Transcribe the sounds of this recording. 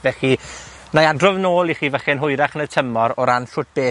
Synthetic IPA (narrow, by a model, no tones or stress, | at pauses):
vɛχi | najadrɔvnoːlˠiχiːvəχɛnɦʊjɾaχənətʰəmɔɾɔɾanfʊt̚b̥eː